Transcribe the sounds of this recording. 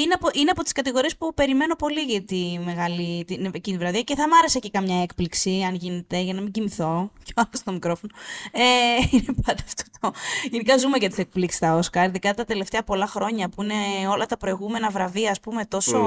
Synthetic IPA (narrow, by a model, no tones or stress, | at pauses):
ineɐpoʔineɐpo̞t̪i̥skɐt̪iɣo̞ɾie̞spupe̞ɾime̞no̞po̞liʝɐt̪ime̞ɣɐlit̪inecinivɾɐðiɐce̞θɐmɐɾe̞secekɐmɲɐe̞kpliksiɐnʝine̞t̪e̞ʝɐnɐmiɲɟimiθo̞ceɐlɐst̪o̞mikɾo̞fo̞noeinepɐnd̪ɐft̪o̥t̪oʝenikɐzume̞ʝɐt̪i̥sek̚pliksi̥st̪ɐo̞skɐɾiðikɐt̪ɐt̪e̞le̞ft̪e̞ɐpo̞lɐxɾo̞ɲɐpuine̞o̞lɐt̪ɐpɾo̞iɣume̞nɐvɾɐviɐːspume̞t̪o̞so̞